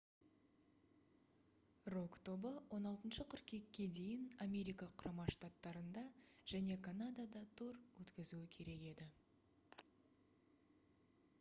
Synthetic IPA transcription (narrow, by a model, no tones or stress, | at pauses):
ro̞kt̪ʰo̞bəwʔo̞nɑlˠt̪ənʃəqʰʏɾkʲe̞kʲːe̞d̪e̞jɪnamʲe̞ɾijkɑqʰʊɾɑmɑʃt̪at̪ːɑɾənd̪ɑʒ̥æne̞kʰanad̪ad̪ɑt̪ʰoɾwɵt̪kʲɪzuɪkʲʰe̞ɾe̞ke̞d̪ɪ